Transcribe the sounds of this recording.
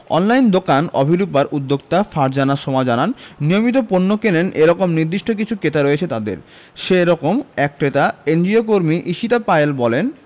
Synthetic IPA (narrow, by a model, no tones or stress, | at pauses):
ɔ̰nlajnd̪okanɔ̰bʱiɾupaɾʔud̪ːokt̪afaɾd͡ʑanaʃɔmad͡ʑananːijomit̪̬oponːokelenʔeɾɔkomniɾd̪iʃʈok̬it͡ɕʰuket̪aɾoet͡ɕʰet̪ad̪ḛɾ | ʃeɾɔkomɛkket̪aend͡ʑiokoɾmiʔiʃit̪apaelbɔlen